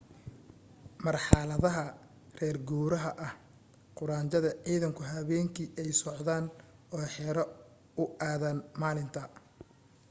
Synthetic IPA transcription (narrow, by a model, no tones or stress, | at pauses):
mɐrħɑlɐðɐɦɐ | rɛːrɡuːɾɐɦɐʔɐh | qʊɾaːnt͡ʃɐðɐʕiːðɐŋkʰʊɦɐβɛːŋkʰiʔɛjsɔʕðaːnɔːħɛɾɐ | ʊʔaːðɐnmaːlɪnt̪ʰɐ